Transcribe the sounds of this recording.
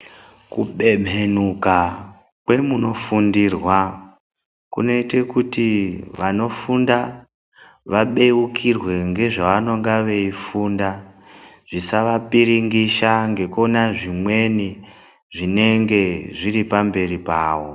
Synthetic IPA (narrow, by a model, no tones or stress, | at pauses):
kuɓe̞m̤enuka | kwe̞muno̞fundirwa | kṵno̞ite̞kutiʋano̞funda | ʋaɓe̞ukʰirwe̞ŋɡe̞ʐaʋano̞ŋɡaʋe̞ifuːnda | ʐ̥isaʋapiɾiŋɡiʃaŋɡe̞konaʐimwe̞ni | ʐine̞ŋɡe̞ʐiripambe̞ripaːwo̞